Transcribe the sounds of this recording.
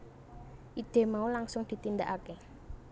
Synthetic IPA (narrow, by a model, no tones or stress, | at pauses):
ʔid̪̥e̤maulaŋsʊŋd̪̥i̤t̪ind̪aʔake